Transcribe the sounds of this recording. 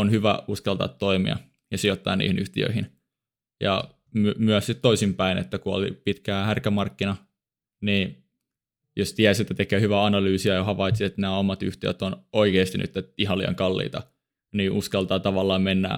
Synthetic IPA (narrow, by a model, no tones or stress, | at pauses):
onhyʋæuskɑlt̪ɑ̰t̪toimḭɑ̰ | jɑsiot̪ːɑ̰ːnnḭːhinyht̪iø̰ihin | jɑ̰ | mymyæssit̪t̪oisimpæinḛt̪ːækuo̰lḭpit̪kæhærkæmɑrkːinɑ | niː | jost̪iæsjet̪ːæt̪ekøːhyʋæɑnɑlyːsiɑjɑɦɑʋɑit̪siet̪næːomɑt̪yht̪iø̰t̪onoikeˑːst̪iny̰t̪ːæiɦɑlːḭɑ̰ŋkɑlːḭːt̪ɑ̰ | niːʔuskɑlt̪ɑːt̪ɑʋɑlːɑːmmenːæ̰ː